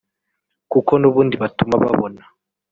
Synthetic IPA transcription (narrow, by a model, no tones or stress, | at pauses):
kukonuβuːndiβatumaβa̰βona